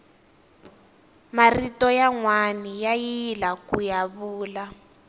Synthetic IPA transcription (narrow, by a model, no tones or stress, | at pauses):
maritɔjaŋwanijajilakujaβuːla